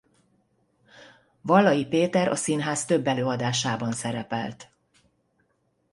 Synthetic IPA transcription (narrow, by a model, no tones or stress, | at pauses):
vɒlːɒjipeːt̪ɛɾʔɒ̰sinɦaːst̪ø̞bːɛløːɒd̪aːʃaːbɒnsɛɾɛpɛ̰lt̪